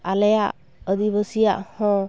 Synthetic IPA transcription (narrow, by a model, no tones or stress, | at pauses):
alɛjaʔ | əd̪iβəsija̰ʔhɔ̃